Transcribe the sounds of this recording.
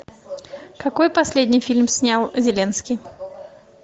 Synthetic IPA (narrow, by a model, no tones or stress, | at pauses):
kɐkojpɐsʲlʲed̪ʲnʲijfʲilʲmsʲnʲalˠzʲɪlʲenskʲij